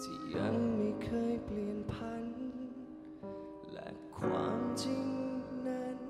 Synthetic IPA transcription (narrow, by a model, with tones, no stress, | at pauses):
tʰi˧˩ja˧˥ŋma˧˩kʰɤː˧˩jpli˨˩ənpʰa˧˥n | lɛ̰˧˥ | kʰwa̰ː˧˥˩mt͡ɕi˧ŋna˦˥n